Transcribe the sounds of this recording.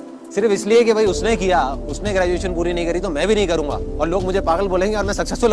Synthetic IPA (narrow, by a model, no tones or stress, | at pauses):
sɪɾfɪsliekebʱɐiʊsnekijaʊsneɡɾɛːd͡ʒueːʃənpuːɾinɐɦĩkɐɾit̪omɛ̃ːbʱinɐɦĩkɐɾũːŋɡa̰ːɔːɾloːɡmʊd͡ʒʱepaːɣəlboːlẽːŋɡeɔːɾmɛ̃sɐksɛsl